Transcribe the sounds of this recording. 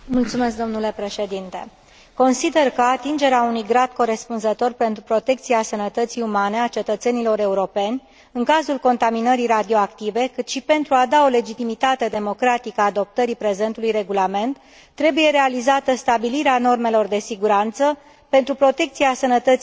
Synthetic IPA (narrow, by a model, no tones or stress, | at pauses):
mult̪sume̞s̬k̚d̪o̞mnule̞pɾe̞ʃe̞d̪int̪e̞̰ | ko̞nsid̪e̞rkəat̪ind͡ʒe̞ɾeaunujɡɾad̪ko̞ɾe̞spunzət̪o̞rpent̪ɾupɾo̞t̪e̞kt̪sieasənət̪ət̪siumane̞at͡ʃe̞t̪ət̪se̞nilo̞ɾe̞uɾo̞pe̞nʲ | ɨŋkazulko̞nt̪aminəɾiɾad̪io̞akt̪ive̞kɨt̪ʃipe̞nt̪ɾuad̪ao̞le̞d͡ʒit̪imit̪at̪e̞d̪e̞mo̞kɾat̪ikəaːd̪o̞p̚t̪əɾipɾe̞ze̞nt̪ulujre̞ɡulame̞nt̪ː | ɾe̞buje̞ɾe̞alizat̪əst̪abiliɾeano̞rme̞lo̞rd̪e̞siɡuɾant̪sə | pe̞nt̪ɾupɾo̞t̪e̞k̚t̪siasənət̪ət̪si